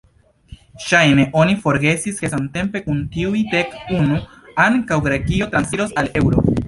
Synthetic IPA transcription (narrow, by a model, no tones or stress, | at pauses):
ʃajne̞ʔo̞nifo̞ɾɡe̞siske̞samte̞mpe̞kuntiujte̞kunu | aŋkawɡɾe̞kio̞tɾansiɾosale̞wɾo